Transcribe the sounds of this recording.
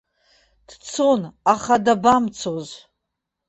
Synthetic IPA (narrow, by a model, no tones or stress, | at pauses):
d̥t͡sʰonaχadabamt͡sʰoz